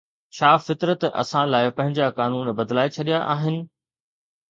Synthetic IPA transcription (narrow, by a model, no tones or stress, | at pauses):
t͡ɕʰaːfɪt̪ɾət̪ɐ̰sãlaːɪpɐ̃ɦɪ̃ɲd͡ʑakaːnuːnbɐd̪laːet͡ɕʰɐɗijaʔaːɦɪnɪ̆